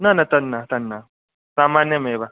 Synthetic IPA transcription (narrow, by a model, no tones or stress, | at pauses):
nanɐt̪ɐnːat̪ɐnːa | saːmaːnjɐmeba